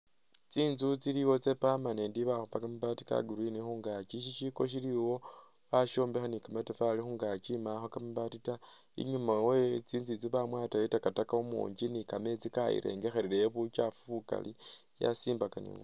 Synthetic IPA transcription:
t͡siːnzut͡siɾiwo̞t͡se̞pamanendiβaxupakamiβatika̰ɡuɾinixuːŋɡat͡ʃiʃiʃiko̞ʃ̬iliwo̞ | βaʃo̞ːmbexanikametefalixuːŋɡat͡ʃimaxokamiβatita | ḭɲumawet͡siːnzit͡siβamwaːtajetakatakaumṵːɲd͡ʒinikame̞t͡sikaḭɾʔe̞̰ːŋɡe̞xe̞ɾeɾeβut͡ʃafuka̰lija̰siːmbakanḭβṵ

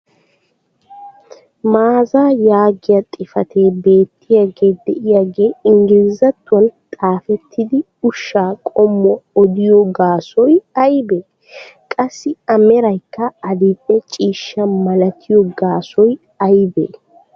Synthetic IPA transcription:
maːzaːjaːɡɪjɐt̪ʼɪfɐt̪ʰe̞ːbe̞ːt̪ːɪjɐɡe̞ːd̪ɛʔɪjaɡe̞ːɪŋɡɪlzɐt̪ːʊwɐnt̪ʼaːfɛt̪ːɪd̪ɪ | ʊʃːaːkʼɔmːɔɔd̪ɪjɔɡaːsɔjɐjbeː | kʼɐsːɪɐmɛɾɐjkːɐːd̪ɪpʼːɛt͡ʃʼiːʃːɐmɐlɐt̪ʰɪjɔɡaːsɔj | ɐjbḛː

